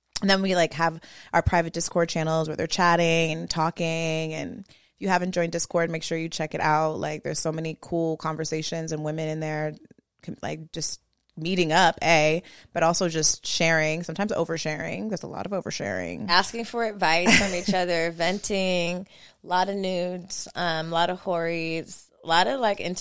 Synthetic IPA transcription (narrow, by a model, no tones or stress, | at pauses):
n̩ðɨ̃nwilaɪkɦəvʔaʊə˞pʰɹ̥aɪvɨt̚d̥ɪskʰɔɹd̚t͡ʃʰæ̃nl̩ˠzwə˞ðə̰˞t͡ʃʰæɾɪ̃ŋɨ̃ntʰɔkɪ̃ŋɨ̰̃n | jɨævɨ̃ndd͡ʒɔ̃ɪ̃ndɪskʰɔɹd̚meɪkʃʊɹjɨt͡ʃʰɛkɨɾʔa̰ʊt̚la̰ɪk̚ðə̰˞z̥soʊmɛnikʰulˠkʰɑ̃ɱvə˞seɪʃɨ̃nzɨ̃nwɪ̃mɨ̃nɨ̃nðə˞ | la̰ɪk̚d̥ʒ̥ʌs | miɾɪ̃ŋʌpʰeɪb̥ʌɾɔlˠsoʊd͡ʒʌstʃɛɹɪ̃ŋsʌ̃mtʰãɪ̃mzo̰ʊvə˞ʃɛɹɪ̰̃ŋðə˞zə̰lɔ̰ɾʌvoʊvə˞ʃɛ̰ɹɪ̰̃ŋæskɪ̃ŋfə˞ɨdvaɪsə̃nit͡ʃʌðə˞vɛ̃ntʰɪ̃ŋ | lɔɾʌvnʉdz̥ʌ̃mlɔɾʌv̥hɔɹiz̥ | lɔɾʌvlaɪkɪ̰̃n